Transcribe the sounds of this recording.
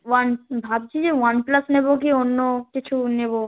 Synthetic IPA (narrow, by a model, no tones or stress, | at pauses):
wanbʱabt͡ɕʰid͡ʑewanplasnebok̬ionːokit͡ɕʰunebo